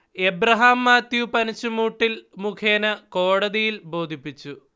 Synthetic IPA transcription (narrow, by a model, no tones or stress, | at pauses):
ebɾɐɦaːmːaːt̪jupɐnɐt͡ɕːumuːʈːilmukʰeːnɐko̞ːɽɐðijilbo̞ːd̪ʱipːit͡ɕːu